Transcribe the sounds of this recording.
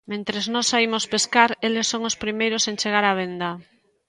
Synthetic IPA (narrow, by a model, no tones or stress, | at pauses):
mẽnt̪ɾeznɔsːaimospeskaɾelesːoŋʊspɾimejɾosent͡ʃeɣ̞aɾaβ̞end̪a